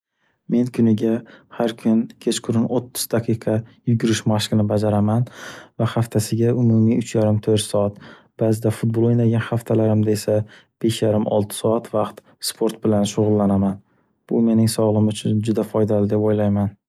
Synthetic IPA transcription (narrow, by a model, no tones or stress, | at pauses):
me̞nkʰʊnɪɡʲahaɾkʰʊnkʲʰe̞t͡ʃqʰʊɾɪnot̪ʰːʊ̥z̥d̪aqʰɨjqʰɑjʊɡʲʊɾɪʃmaʃqɨnɪbad͡ʒaɾamanvahaft̪ʰasɪɡʲaʊmʊmiʊt͡ʃʰjaɾɪmt̪ʰɵɾt̪sɒat̪ | b̥aːzɪd̪afʊt̪̚bolˠojnaɡʲanχaft̪ʰalaɾɪmd̪ae̞sa | b̥e̞ʃjaɾɪmɒ̰lˠt̪ʰɪ̥sɒat̪ʰvaqt̪ | spʰoɾt̪̚bɪlanʃʊʁʊlˠːanaman | b̥ʊme̞nɪŋsɒʁlˠɪmʊt͡ʃʰʊnd͡ʒʊd̪afɒjd̪alɪd̪e̞pojlajman